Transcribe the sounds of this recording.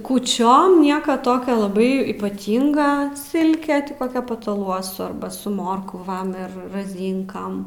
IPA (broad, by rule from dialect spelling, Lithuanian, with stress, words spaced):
kuːˈt͡ʃʲoːm ˈnʲiɛkɐ ˈtoːkʲoː lˠɐˈbɐɪ iːpɐˈtʲiːŋɡɐ ˈsʲɪlʲkʲɛ tʲɪ ˈkoːkʲɛ pɐtɐˈlˠuɔsʊ ˈɐrbɐ sʊ ˈmoːrkʋɐm ɪr rɐˈzʲiːŋkɐm